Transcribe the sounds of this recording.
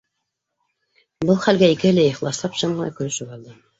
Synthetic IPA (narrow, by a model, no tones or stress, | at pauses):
bɤlˠχælɡæikɘɘ̆læɤ̆χlˠɑslˠɑpʃɤɴɢɤ̆nɑ̰kɵ̆ɾɘ̆ʃɘpɑlˠd̪ɤ